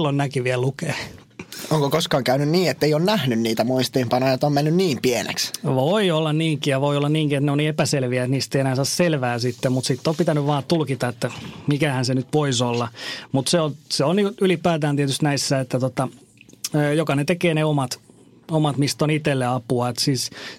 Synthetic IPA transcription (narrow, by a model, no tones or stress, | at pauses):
lːonnækiʋiælukeː | oŋkokoskɑːŋkæynynniːet̪ːeijonnæhnynniːt̪æmuist̪iːmpɑnɑjot̪omenːynniːmpienḛksʋoiolːɑnniːŋkijɑʋoiolːɑnniːŋkiet̪neoniːepæselʋiæet̪niːst̪eienæhːsɑːsselʋæːsit̪ːemmut̪sit̪ːopit̪ænyʋʋɑːt̪ulkit̪ɑet̪ːæmikæhænsenyt̪ʋoisolːɑmut̪seonseonylipæːt̪æːnt̪iet̪yst̪næisːæet̪ːæt̪ot̪ɑː | jokɑnet̪ekeːneomɑt̪ | omɑt̪mist̪onit̪elːeɑpuɑet̪siːs